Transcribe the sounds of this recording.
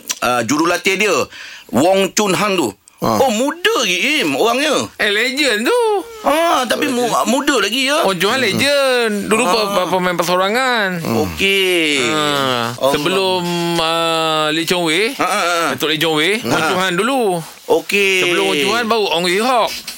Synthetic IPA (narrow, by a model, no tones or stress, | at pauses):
əd͡ʒuɾulat̪ediəwɔŋt͡ʃunɦaŋt̪ṵ | omudəɡiimoɣaŋɲəəled͡ʒənt̪uət̪apimumudəlaɡijəwɔɲt͡ʃuɦanled͡ʒəndulupəpəpəmãpərsoɾaŋanoke | səbəlʊməleʔt͡ʃɔŋwedat̪ʊʔliʔt͡ʃɔŋweɔɲt͡ʃuɦandulu | okesəbəlʊmwɔɲt͡ʃuɦanbauʔɔŋwiɦɔk̚